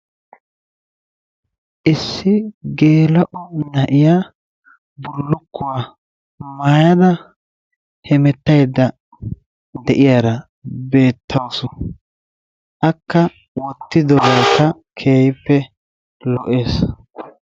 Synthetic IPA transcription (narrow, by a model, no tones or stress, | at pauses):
ʔɪsːɪɡe̞ːlɐʔɔnɐʔɪjaː | bʊlːʊkːʊwaː | maːjɐd̪ɐ | hɛmɛt̪ːɐjd̪ːɐ | d̪ɛʔɪjaːɾɐ | be̞ːt̪ʰːɐwsɔ | ʔɐkːɐ | wɔt̪ːɪd̪ɔbaːt̪ɐkʰe̞ːjɪpːɛ | lɔʔe̞ːs